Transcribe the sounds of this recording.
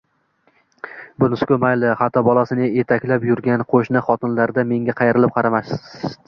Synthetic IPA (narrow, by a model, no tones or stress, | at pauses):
bʊnʊskʲɵmajlɪχɑt̪ʰɒbɒlˠasɪnɪet̪ʰakʲlapjʊɾɡʲanqʰoʃnɪχɒt̪ʰɪnlaɾd̪ame̞ŋʲaqʰɑjeɾɪlɪp̚qʰɑɾamaʃ